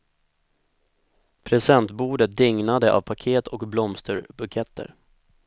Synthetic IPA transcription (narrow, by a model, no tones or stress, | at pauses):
pʰɾɛsɛnt̪buːɖət̪̚d̪ɪŋnad̪əʔa̰vpʰakʰeːt̪ʰɔkblɔmst̪əɾbɵɡjɛt̪ʰːə̰ɾ